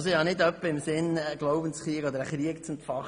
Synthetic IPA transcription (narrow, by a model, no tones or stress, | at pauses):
soɪhɑnɪd̪œpːəɪmsɪnɡloʊbənt͡sχɾiəɡɔd̪əɾəχɾiəkt͡sʊmtfɑχ